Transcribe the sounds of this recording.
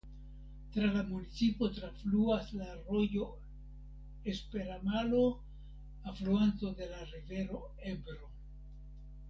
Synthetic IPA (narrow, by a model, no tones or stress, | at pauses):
tɾalamunit͡sipo̞tɾafluaslaɾo̞jo̞ | espe̞ɾanalo̞ | afluanto̞de̞laɾive̞ɾo̞ | ebɾo̞